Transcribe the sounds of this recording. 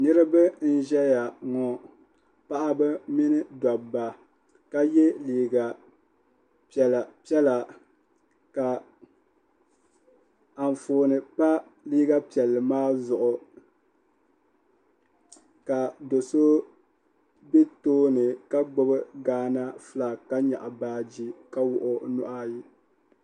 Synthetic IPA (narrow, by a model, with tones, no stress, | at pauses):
nɨ˦ɾɨ˦bɨ˦n̩˦ʒɛ˦ja˨ŋɔ˨ | pa˦ʔa˦bɨ˦mi˦nɨ˦da˨ba˨ | ka˦jɛ˦liː˦ɡa˨ | pɛ˨la˨pi˦ɛ˦la˨ | ka˨ | a˨ɱ˨foː˨nɨ˨pa˦ | liː˦ɡa˦pi˨ɛ˨lːɨ˨maː˦zʊ˨ʔʊ˨ | ka˨do˨so˦ | be˦toː˦nɨ˨ka˦ɡ͡bo˦bɨ˦ɡaː˦na˦fɨ˦la˨ka˦ɲa̰˨ʔa˨baː˦d͡ʒi˦ka˦wʊ˨ʔʊ˦nʊ˦ʔa˦ji˦